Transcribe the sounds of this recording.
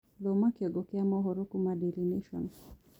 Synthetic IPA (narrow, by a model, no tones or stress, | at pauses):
ðɔmakiɔɡɔkɛamɔɦɔɾukumaɗiliniʃɔ̰n